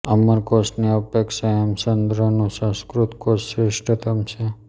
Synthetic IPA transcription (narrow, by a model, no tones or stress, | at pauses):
əməɾkosniəpekʃaəmsənd̪ʱɾənũsə̃skɾut̪kosːɾɪʂʈət̪əmt͡ʃʰe